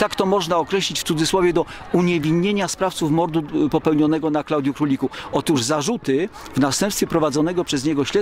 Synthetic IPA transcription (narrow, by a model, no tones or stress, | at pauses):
t̪akt̪ɔmɔʐnaɔkɾɛɕlʲit͡ɕft̪ud̪zɘswɔvʲjɛd̪ɔ | uɲɛvʲiɲːeɲaspɾaft̪sufmɔɾd̪upɔpɛwɲɔnɛɡɔnaklawd̪jukɾulʲikuɔt̪uʐzaʐut̪ɘ | vnast̪ɛmpst̪fʲɛpɾɔvad̪zɔnɛɡɔpʂɛzɲɛɡɔɕlɛ